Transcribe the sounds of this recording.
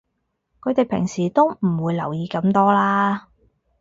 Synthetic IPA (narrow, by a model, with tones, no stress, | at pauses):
kʰɵ˨˧t̪e˨jpʰɪ̰˨˩ŋsiː˨˩t̪o˥wmm̩˨˩wuː˨˧jlɐ̰˨˩wjiː˨˧kɐ˨˧˥mt̪ɔː˥laː˥